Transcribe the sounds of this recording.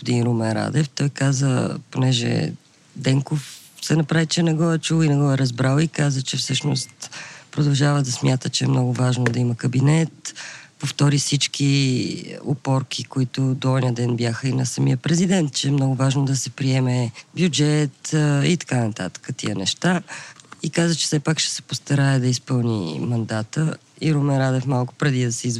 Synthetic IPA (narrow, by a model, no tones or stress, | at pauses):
pʊd̪inɾumɛɾa̰d̪ɛft̪ɔjkazə̰ponɛʒɛ̰ | d̪ɛŋkofsɛnɐpɾavit͡ʃɛɛnɛɡɔɛt͡ʃulinɛɡɔɛɾɐzbɾalˠikazət͡ʃɛfsɤʃno̰st̪pɾod̪ɐlˠʒavəd̪ɐsmʲjat̪ət͡ʃɛɛmnɔɡʊvaʒnod̪ɐiməkəbinɛt̪poft̪ɔɾifsit͡ʃk̟i | o̰pɔɾk̟ʰikoit̪ʊd̪oɔd̪nʲiəd̪ɛnbjaxəinɐsɐmḭəpɾɛzid̪ɛnt̪̚t͡ʃɛːmnɔɡʊvaʒnod̪ɐsɛpɾiɛmɛbʲjud͡ʒɛt̪it̪ɐ̥kanɐt̪a̰t̪ə̥kət̪ḭənɛʃt̪aikazət͡ʃɛ̥sɛpakʃɛ̥sɛ̥post̪ɐɾaɛd̪ɐispɤlˠnḭmɐnd̪at̪ə | iɾomɛɾad̪ɛfmalˠkʊ̥pɾɛd̪id̪ɐsɛiz